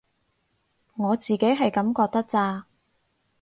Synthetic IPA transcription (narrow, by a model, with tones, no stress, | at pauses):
ŋɔː˨˧t͡siː˨˩ke˨˥jɦɐ˨jkɐ˨˥mkɔː˧k̚t̪ɐ˥k̚t͡saː˧